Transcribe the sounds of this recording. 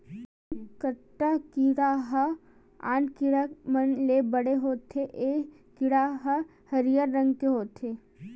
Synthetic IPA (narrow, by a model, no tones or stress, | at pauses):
kəʈːakiɽaɦɐ | a̰ːnkɪɽamənlebɐɽeɦoːt̪ʰeʔeː | kɪɽaɦɐ | hɐɾijaɾːɐ̃ŋɡkeɦoːt̪ʰeː